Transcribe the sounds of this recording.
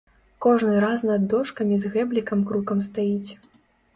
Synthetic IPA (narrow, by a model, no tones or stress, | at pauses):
kɔʐnɨɾasnɐd̪ːɔʂkɐmʲizɣɛblʲikɐmkɾukɐmst̪ajit͡sʲ